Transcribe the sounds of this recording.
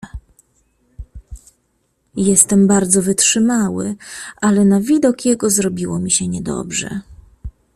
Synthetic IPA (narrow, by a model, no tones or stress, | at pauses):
jɛst̪ɛmbaɾd̪zɔvɘtʂɘmawɘ̰ʔalɛnavʲid̪ɔkjɛɡɔzɾɔbʲiwɔmʲiɕɛɲɛd̪ɔ̰bʐɛ̰